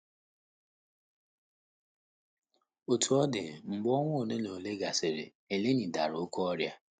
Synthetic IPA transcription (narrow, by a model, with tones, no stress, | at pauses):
o˨tu˨ɔ˦dɪ̰˨m̩˨ɡ͡bɔ˦ŋʷʊ˦o˨ne˦no˨le˦ɡa˨sɪ˨ɾḛ˨ | e˨le˦ni˨da˨ɾʊ˨o˦kɔ˦ɔ˦ɾja˦